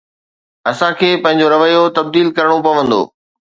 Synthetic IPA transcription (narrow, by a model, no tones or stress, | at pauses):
ɐsãkʰeːpɐ̃ɦɪ̃ɲ̆d͡ʑoɾɐʋəjot̪ɐb̚d̪iːlkɐɾəɽ̃opɐʋə̃nd̪o̰ː